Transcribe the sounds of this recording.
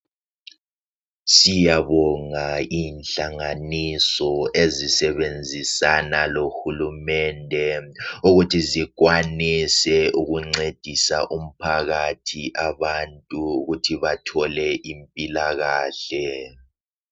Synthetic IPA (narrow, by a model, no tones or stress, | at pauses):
sijaβɔŋaiːnɬaŋanisɔezisɛβend͡zʱisanaloxulumɛndʱɛuɣutʰiziɣ̬wanisɛuɣuŋ͡ǀed̥ʱisaʔum̩pʰaɣatʰiʔaβantʼuːɣutʰiβatʰɔlɛʔimpʼilaɣaːɬɛ